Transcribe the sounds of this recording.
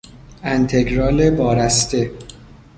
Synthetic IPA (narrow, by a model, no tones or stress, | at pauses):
ænt̪ʰe̞ɡɾɒːle̞bɒːɾæst̪e̞